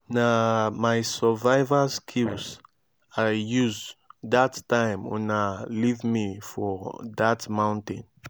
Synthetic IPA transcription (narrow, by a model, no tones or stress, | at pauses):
namajsəvajvəskʰils | ajjuzdattãɪ̃mṵ̃nalivmifɔdatmãʊ̃ntẽn